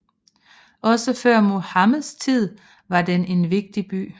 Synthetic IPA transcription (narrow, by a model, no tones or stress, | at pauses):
ɒ̽səfɶɐ̰mo̝hɑmæðˠst͡sʰið̰ˠ | ʋɑ̈d̥ene̝nʋe̝ɡ̥̚d̥ib̥y̰ː